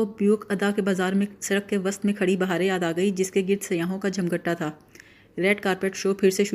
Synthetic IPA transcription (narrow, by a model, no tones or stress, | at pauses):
objuːkʰɐd̪akebaːzaːɾmẽsɐɾəkːeʋɐst̪mẽkʰɐɽibɐɦaːɾejaːd̪aːɡɐid͡ʒɪskeɡɪɾd̪sɐjaːɦõkad͡ʒʱɐmɡəʈːat̪ʰaː | ɾɛːʈkaːɾpeːʈʃoːpʰɪɾseʃʊ